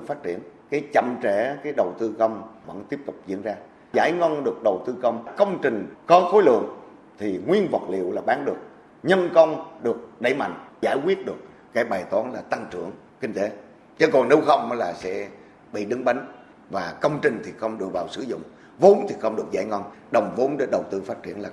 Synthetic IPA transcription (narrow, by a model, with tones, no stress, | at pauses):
faː˦˥t̚t͡ɕi˧˩ənkaː˨˦jt͡ɕə̰˧˨mt͡ɕɛ˧˩kaː˨˦jɗə˨˩wt̪ɨ˧kə˧wŋ͡mvə̰˧˥nt̪i˦˥əp̚t̪ʊ˨˩k͡p̚zḭ˧˥ənzaː˧ | zaː˧˩jŋɔ˧nɗɨ˨˩ək̚ɗə˨˩wt̪ɨ˧kə˧wŋ͡mkə˧wŋ͡mt͡ɕï˨˩ŋ̟kɔ˨˦xo˨˦jlɨ̰˧˨əŋ | t̪ʰi˨˩ŋwi˧ənvə̰˨˩t̚lḭ˧˨əwlaː˨˩ɓaː˨˦nɗɨ˨˩ək̚ | ɲə˧nkə˧wŋ͡mɗɨ˨˩ək̚ɗeə˧˩˦jma̰˧˨jŋ̟zaː˧˩jkwi˦˥ət̚ɗɨ˨˩ək̚ːaː˨˦jɓaː˨˩jt̪waː˨˦nlaː˨˩t̪a˧ŋt͡ɕɨ˧˩˨əŋ | kï˧ŋ̟t̪e˨˦ | t͡ɕe˨˦kɔ˨˩ne˨˦wxə˧wŋ͡mmə˨˦laː˨˩sɛ̰˧˥ | ɓḭ˧˨ɗɨ˨˦ŋɓa˨˦jŋ̟ | vaː˨˩kə˧wŋ͡mt͡ɕï˨˩ŋ̟t̪ʰi˨˩xə˧wŋ͡mɗɨ˨˩k̚vaː˨˩wsɨ˧˩˦zʊ̰˧˨ŋ͡m | vo˨˦nt̪ʰi˨˩xə˧wŋ͡mɗɨ˨˩ək̚zaː˧˦jŋɔ˧nɗə˨˩wŋ͡mvo˨˦nɗe˨˦ɗə˨˩wt̪ɨ˧faː˦˥t̚t͡ɕḭ˧˩ənlaː˨˩